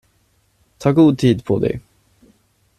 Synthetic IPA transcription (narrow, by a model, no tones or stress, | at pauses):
t̪ʰɑːɡuːd̪̚t̪ʰiːd̪pʰɔd̪ɛ̰j